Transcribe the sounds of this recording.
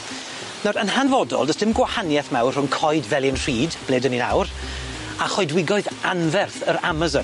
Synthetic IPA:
nɔɾənhanvɔdɔ̰lˠdəsd̥ɪmɡwahanjɛθmɛwrrʊŋkʰɔɨdvɛlˠjənr̥iːdb̥leːdənina̰wr | aχɔɨdwɪɡɔɨðanvɛrθəɾamazɔn

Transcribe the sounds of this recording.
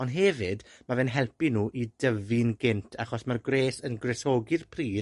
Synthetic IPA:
ɔndɦɛvɨdmavɛːnɦɛlˠpinuːʔidəvɨnɡɪntʰaχɔsmarɡreːsənɡrɛsɔɡɨðpʰriː

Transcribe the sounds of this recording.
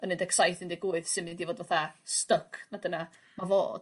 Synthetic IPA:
ənːɪndɛksajθɪndiɡuːɨðsɪmɪndivoːdvaθastəkʰnadəna | mavo̰ːd̥

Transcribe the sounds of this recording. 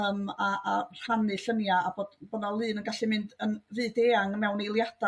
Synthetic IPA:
əmaʔar̥anɨɬənjaːboːd̥bɔnalˠɨːnənɡaɬɨmɨndənvɨːdeːaŋmɛwnejlˠjad̥a

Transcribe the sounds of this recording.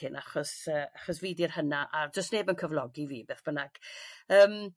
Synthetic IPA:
ɪnʔaχɔsəːaχɔsviːdirhənaʔad͡ʒəstneːbənkʰəvlˠɔɡiviːbeːθb̥ənaɡ̥əːm

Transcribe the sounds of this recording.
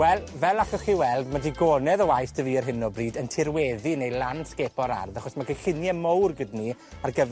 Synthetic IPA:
wɛlˠvɛlˠakɔχiwɛlˠdmadiɡoːnɛðəwajsd̥əviːərɦɪnɔbriːdəntʰɪrwɛːðinejlˠansɡebɔɾa̰rðaχɔsmakʰajɬɪnjɛmowrɡɪdniarɡəv

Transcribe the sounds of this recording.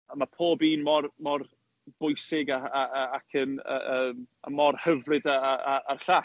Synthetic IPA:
əmapʰoːbiːnmɔrmɔr | b̥ʊjsɪɡaaakʰənə̰əːma̰mɔrhəvrɨdaaaarɬa

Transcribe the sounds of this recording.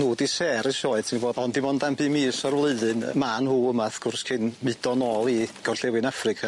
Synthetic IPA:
nuːdisɛːɾɪʃɔːɨdsʰɪniboːdɔndɪmɔndanbɨːmiːsɔrwlˠɨðɨnmanhuːəmaθkʰʊrskʰɪnmɨdɔnɔːlˠiɡ̥ɔrɬɛwɨnafrɨkʰa

